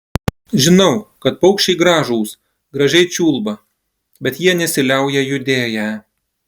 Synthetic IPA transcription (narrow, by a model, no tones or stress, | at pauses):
ʒʲɪnɐʊkɐt̪̚pɐʊkʃʲt͡ʃʲɛɪɡɾɑːʒuːs | ɡɾɐʒʲɛɪt͡ʃʲuːlˠbɐ | bʲɛt̪jiɛnʲɛsʲɪlʲɛˑʊjɛjʊd̪ʲeːjæː